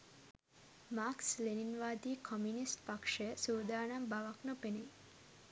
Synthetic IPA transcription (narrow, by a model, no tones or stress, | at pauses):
maːksleninʋaːd̪iːkʰomjunisʈpakʂeəsuːd̪aːnambaʋaknopene